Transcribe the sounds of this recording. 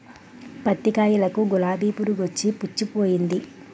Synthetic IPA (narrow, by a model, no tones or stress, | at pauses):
pɐt̪ːikaːjulɐkuɡulaːb̪iːpuɾuɡot͡ʃːiput͡ʃːupoːjind̪i